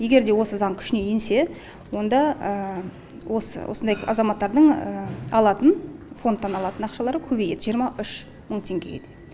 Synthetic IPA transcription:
je̞ɡʲe̞ɾd̪e̞wo̞səzɑɴkʲʰʏ̥ʃɪne̞jense̞ | wo̞nd̪ɑə | wo̞sə̰wo̰sənd̪ɑjɑzɑmɑt̪ːɑɾd̪əɴəɑlˠɑt̪ənfo̞nt̪ːɑnɑlˠɑt̪ənɑqʃɑlˠɑɾəkʲʰɵbe̞jed̪ɪʒijəɾmɑʔʏʃ | məɴt̪ʰe̞ŋɡʲe̞jḛd̪̥ɪ

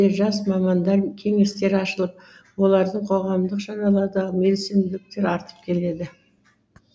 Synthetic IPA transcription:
eʒɑsmɑmɑnd̪ɑɾkʲʰe̞ŋe̞st̪e̞ɾɑʃəlˠəp̚ | wo̞lˠɑɾd̪əɴqʰo̞ʁɑmd̪əqʒɑnɑlˠɑɾd̪ɑme̞lsend̪ɪk̚t̪e̞ɾɑɾt̪ə̥p̚kʲʰe̞le̞d̪ɪ

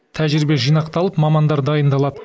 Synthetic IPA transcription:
t̪ʰæʒɪɾɪbe̞ʒijnɑqt̪ɑlˠəpmɑmɑnd̪ɑɾd̪ɑjənd̪ɑlˠɑd̪ə

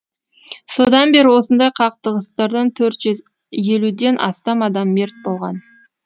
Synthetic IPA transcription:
so̞d̪ɑnbe̞ɾɪwo̞sənd̪ɑjqʰɑqt̪əʁəst̪ɑɾd̪ɑnt̪ʰɵɾt̪ʒ | je̞lud̪e̞nʔɑ̰st̪ɑmɑd̪ɑmːe̞ɾt̪̚bo̞lˠʁɑn

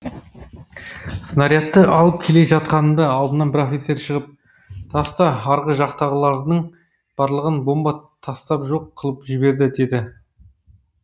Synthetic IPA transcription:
sənɑɾijɑt̪ːəʔɑlˠəpkʲʰe̞le̞ʒɑt̪̚qɑnəmd̪ɑɑlˠd̪ənɑnbɪɾofʲiseɾʃəʁəp̚ | t̪ʰɑst̪ɑɑɾʁəʒɑqt̪ɑʁəlˠɑɾnəɴ | b̥ɑɾlˠəʁənbo̞mbɑt̪ʰɑst̪ɑpʒo̞qʰːəlˠəpʒɪbe̞ɾd̪ɪd̪e̞d̪ɪ

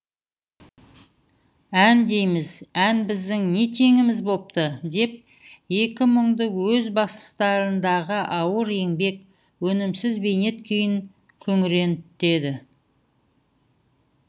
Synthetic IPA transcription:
ænd̪e̞jmɪzænbɪzd̪ɪŋne̞t̪ʰe̞ŋɪmɪzbo̞p̚t̪əd̪e̞p̚ | je̞kʲɪməɴd̪əwɵzbɑst̪ə̥st̪ɑɾənd̪ɑʁəʔɑwəɾe̞ŋbe̞k | wɵnɪmsɪzbe̞jne̞t̪kʲʰʏjɪŋ | kʲʰɵŋɾe̞nt̪e̞d̪ɪ

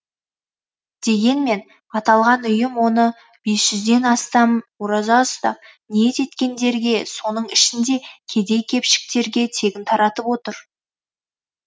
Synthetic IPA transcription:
d̪̥e̞ɡʲe̞nme̞n | ɑt̪ɑlˠʁɑnʏjɪmwo̞nə | b̥e̞sʒ̥ʏzd̪e̞nɑst̪ɑmwoɾɑzɑʊst̪ɑ̰p̚ | niet̪e̞t̪kʲe̞nd̪e̞ɾɡʲe̞so̞nəɴɪʃɪnd̪e̞kʲʰe̞d̪e̞jkʲʰe̞pʃɪ̥k̚t̪e̞ɾɡʲe̞t̪ʰe̞ɡʲɪnt̪ʰɑɾɑt̪əpwo̞t̪əɾ

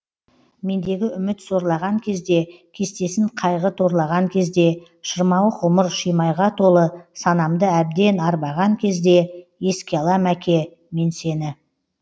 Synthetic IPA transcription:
me̞nd̪e̞ɡʲɪʏmɪt̪so̞ɾlˠɑʁɑŋkʲʰe̞zd̪e̞kʲʰe̞st̪e̞sɪɴqʰɑjʁət̪ʰo̞ɾlˠɑʁɑŋkʲʰe̞zd̪e̞ | ʃəɾmɑwəqʊməɾʃijmɑjʁɑt̪ʰo̞lˠəsɑnɑmd̪əæb̚d̪e̞nɑɾbɑʁɑŋkʲʰe̞zd̪e̞je̞skʲeɑlˠɑmækʲe̞ | me̞nse̞nɪ

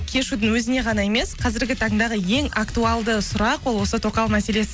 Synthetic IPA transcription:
kʲʰe̞ʃud̪ɪŋwɵzɪne̞ʁɑnɑe̞me̞sqʰɑzɪɾɡʲɪt̪ʰɑɴd̪ɑʁəje̞ŋakt̪uɑlˠd̪əsʊɾɑqwo̞lˠwo̞sət̪ʰo̞qɑw̪ˠmæse̞le̞sɪ

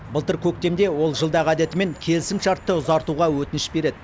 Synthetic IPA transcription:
bəlˠt̪əɾkʲʰɵk̚t̪e̞md̪e̞wo̞lˠʒəlˠd̪ɑʁæd̪e̞t̪ɪme̞ŋkʲʰe̞lɪsɪmʃɑɾt̪ːəʊzɑɾt̪uʁɑwɵt̪ɪnɪʃbe̞ɾe̞d̪ɪ

